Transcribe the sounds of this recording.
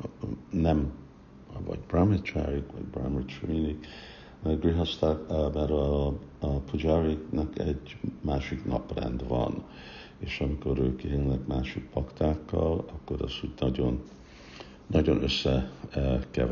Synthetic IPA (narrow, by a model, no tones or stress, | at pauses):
nɛm | vɒ̰ɟbramɛt͡ʃa̰ɾikʋɒ̰ɟbramɛt͡ʃrinik | ɡriɦost̪amɛɾɒ | pud͡ʒariknɒkɛɟmaːʃiknɒ̰prɛ̰nd̪vɒ̰n | eːʃɒmiko̞ɾøːkenlɛkmaːʃik̚pɒkt̪aːkːɒlɒkːo̞ɾɒ̰zuːɟnɒɟo̞n | ɒɟo̞nøsːɛ | kɛ̰v